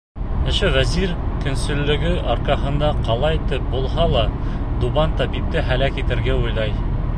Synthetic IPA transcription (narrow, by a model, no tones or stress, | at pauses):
ɘ̆ʃɘvæziɾkɵ̆nsɵ̆lːɵ̆ɡɘʔɑɾkɑɦɤ̆nd̪ɑqɑlˠɑjit̪ɘp̚bulˠɦɑlˠɑ | d̪uβɑnt̪ɑbit̪ːɘɦælækit̪ɘ̆ɾɡæujlˠɑj